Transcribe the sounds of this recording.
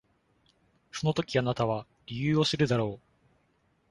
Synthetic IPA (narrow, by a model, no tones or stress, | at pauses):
so̞no̞t̪o̞kʲianat̪aβa | ɾʲijɯːo̞sɨɾɯ̟d̪aɾo̞ː